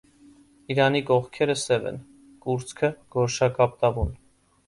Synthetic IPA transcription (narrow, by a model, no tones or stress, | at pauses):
iɾɑnikɔχkʰɛɾəsɛvɛ̰n | kuɾt͡sʰkʰəɡ̥ɔɾʃɑkɑp̚t̪ɑvun